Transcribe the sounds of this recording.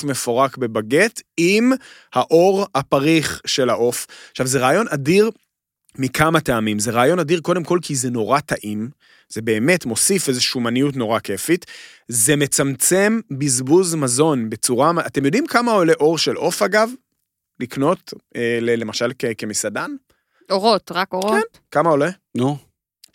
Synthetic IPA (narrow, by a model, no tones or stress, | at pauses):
me̞fo̞ʁakbe̞baɡe̞timhaʔo̞ʁapaʁiχʃe̞laʔo̞faʃavzeʁaːjo̞nadiʁ | mikʰamateamimzeʁaːjo̞nadiʁko̞de̞mko̞lkʰizeno̞ʁataʔim | z̥e̞be̞ːme̞tmo̞sife̞zeʃuːmanijutno̞ʁake̞fit̪ | zeme̞t͡samt͡se̞mbizbuzmazo̞nbe̞t͡suʁaate̞mjo̞dimkamao̞le̞ʔo̞ʁʃelʔo̞faɡav | likno̞telele̞maʃalkeke̞misadan | oʁot̪ʁakoʁkn | kamao̞le | no